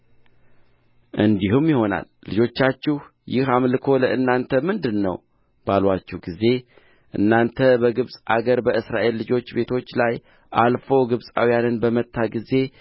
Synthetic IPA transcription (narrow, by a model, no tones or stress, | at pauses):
ʔɨnd̪iɦumjɪho̞na̰lːɨd͡ʒo̞t͡ʃːat͡ʃːɪh | jɪhamlɨkʰo̞ləʔɨnːant̪ʰəmɨnd̪ɨnːə̰w | b̥alwat͡ʃːɛhɡize̞ | ʔɨ̰nːant̪ʰəbəɡɨβsʼa̰ɡəɾbəʔɨsɾaʔe̞lːɨd͡ʒo̞t͡ʃːbe̞t̪ʰo̞t͡ʃːlaj | ʔalfo̞ɡɨβsʼa̰wijanɨnbəmət̪ʰːaɡize̞